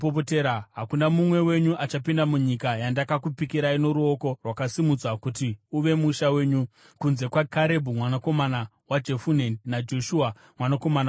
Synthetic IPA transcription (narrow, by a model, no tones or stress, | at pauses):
popoteɾaɦakunamumwe̞we̞ɲuʔat͡ʃapindamuɲikajandakakupikiɾaino̞ɾuo̞ko̞rwakasimud͡zwakutiuʋe̞muʃawe̞ːɲu | kunze̞kwakaɾe̞bʱumwanako̞mana | wad͡ʒe̞funenad͡ʒo̞ʃua | mwanako̞mana